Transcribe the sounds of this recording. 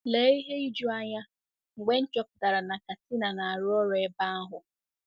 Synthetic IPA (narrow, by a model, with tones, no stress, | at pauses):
le˨˦i˦ɦe˦i˦d͡ʒu˦a˦ɲa˦ | ŋ͡m̩˨ɡ͡be˦n̩˦t͡ʃɔ˦pʊ˨da˨ɾa˨na˨ka˨ti˦na˨na˨a˨ɾʊ˦ɔ˦ɾɔ˦e˦ba˦a˦ɦʊ˨